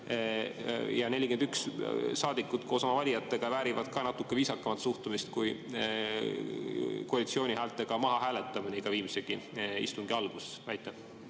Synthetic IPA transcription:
jɑne̞lʲike̞nd̪̥ykssɑːd̪̥ikːˑud̪̥ko̞ːsɑmɑvɑlʲijɑt̪ˑːe̞ɡ̥ɑvæːɾivɑd̪̥kɑnɑt̪ːˑukːˑeviːsɑkːˑɑmɑt̪suht̪umist̪kuj | koɑlʲit̪sio̞ːnʲihæːlt̪ːˑe̞ɡ̥ɑmɑɦɑɦæːlet̪ːˑɑminiɡ̥ɑviːmiseɡ̥iḭst̪uŋɡ̥iɑlɡ̥ussvæjt̪ːˑe

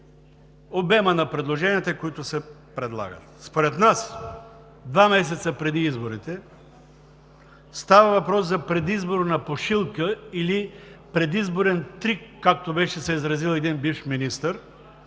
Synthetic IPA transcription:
obɛmənɐpɾɛd̪lˠoʒɛniɛt̪ɛkoit̪ʊsɛ | pɾɛd̪lˠa̰ɡə̰t̪spoɾɛt̪nas | d̪vamɛs̬ɛt̪səpɾɛd̪iizboɾit̪ɛ | st̪avɐvɐpɾɔszɐpɾɛd̪izboɾnɐpoʃilˠkəilipɾɛd̪izboɾɛnt̪ɾikːak̚t̪obɛʃɛsɛizɾɐzilˠɛd̪inbifminist̪əɾ

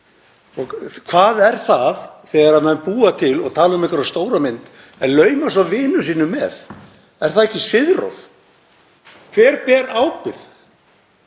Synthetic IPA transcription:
ɔɣkʰvaːðɛɾ̥θaðθɛːɣaɾaðmɛnpuːat̪ʰɪlɔ̰ɣt̪ʰaːlaʏmɪhkvʏɾast̪oːwɾamɪnt̪ | ɛnlœːɥmas̬avɪːnʏsiːnʏmɛð | ɛɾ̥θaðɛhcːɪsɪðro̰θ | kʰvɛːɾpɛːɾaːwpɪɾθ

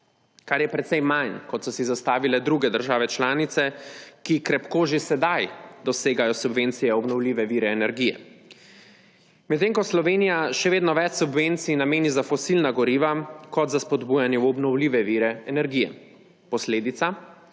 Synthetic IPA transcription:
kaɾjɛpɾɛt̪sɛjmajnkɔt̪sɔsizast̪aːʋilɛd̪ɾuːɡɛd̪əɾʒaːʋɛt͡ʃlaːnit̪sɛkikɾɛpkoːʒisɛd̪ajd̪ɔseːɡajɔsubʋent̪sijɛɔbnɔwliːʋɛʋiːɾɛːnɛɾɡijɛ̰ | mɛt̪ːeːŋkɔslɔʋeːnijaʃɛʋeːd̪nɔʋɛt͡ʃsubʋent̪sinameːnizafɔsilnaɡɔɾiːʋakɔt̪zaspɔd̪buːjanjɛwɔbnɔwliːʋɛʋiːɾɛɛnɛɾɡijɛ̰ | pɔsleːd̪it̪sa

